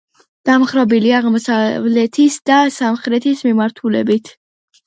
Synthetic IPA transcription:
d̪̥amχɾɔbiliaʁmɔsavlɛt̪ʰisd̪asamχɾɛt̪ʰismimaɾt̪ʰulɛ̰bit̪ʰ

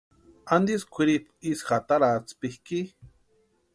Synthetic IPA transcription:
and̪iskʷiɾipisxat̪aɾat͡spihki

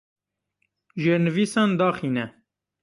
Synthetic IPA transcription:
ʒeːɾnɨviːsɑːnd̪ɑːχiːnɛ

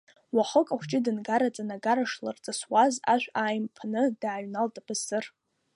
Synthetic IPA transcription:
waχəkʼaχʷt͡ʃʼɪdɨnɡaɾat͡sʼanaɡaɾaʂla̰rt͡sʼaswazaʃʷᶣajmpʰnɨdaːɥnaltʼabɨsɨr

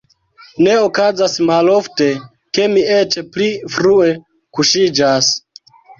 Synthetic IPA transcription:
ne̞okazasmalo̞fte̞ | ke̞mie̞t͡ʃplifɾue̞ | kuʃid͡ʒas

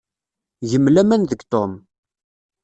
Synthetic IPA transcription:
ʝəmlæmænðəɡt̪om

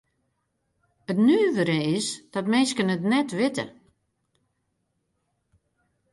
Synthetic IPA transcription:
ətnyːʋəɾəɪsd̥ɔtmɪːskənətnɛtʋɪtə̰

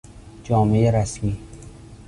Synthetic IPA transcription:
d͡ʒɒːmejeɾæsmiː

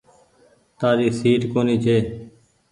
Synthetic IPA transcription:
t̪aːɾiːsiːʈkoːniːt͡ʃʰeː

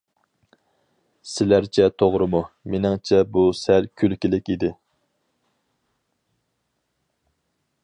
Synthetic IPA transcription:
sɪlæɾt͡ʃʰɛt̪ʰoʁɾɨmumenɪŋt͡ʃʰɛbusælkʲʰylkʲilɪkʲid̪ɪ

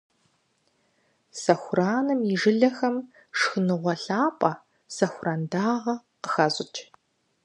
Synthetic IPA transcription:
sɐxʷraːnɨmiʐɨɮɐxɐm | ʂxɨnɨʁʷɔɬaːpʼɐ | sɐxʷʊraːndaːʁɐ | qə̥xɐzʼɪt͡ʃʼ

